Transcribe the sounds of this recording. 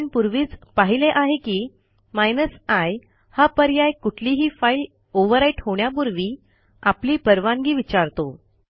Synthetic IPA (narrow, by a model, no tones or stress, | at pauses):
npuɾʋiːt͡spaɦileʔaɦekiː | majnəsaj | hapəɾjajkuʈʰliːɦiːfail | oʋəɾaiʈhoɳjapuɾʋiː | apliːpəɾʋãŋɡiːʋit͡ɕaɾt̪o